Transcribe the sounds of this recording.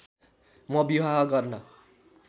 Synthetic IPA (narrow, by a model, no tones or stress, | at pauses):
mʌbiwaɦɡʌrnʌ